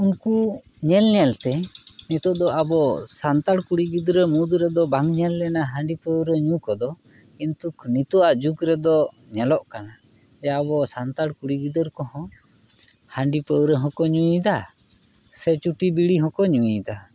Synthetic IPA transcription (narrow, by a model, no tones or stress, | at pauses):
unku | ɲɛlɲɛlt̪ɛnit̪ɔʔd̪ɔʔabɔsant̪aɽkuɽiɡid̪ɾəmud̪ɾɛd̪ɔbaŋɲɛlːɛnaɦaɳɖipəwɾəɲũkɔd̪ɔ | int̪uknit̪ɔʔaʔd͡ʒukɾɛd̪ɔ | ɲɛlɔʔkana | ɛjaːbɔsant̪aɽkuɽiɡid̪əɾkɔhɔ̃ | haɳɖipəwɾəɦɔ̃kɔɲuĩd̪a | sɛt͡ʃuʈibiɽiɦɔ̃kɔɲuĩd̪a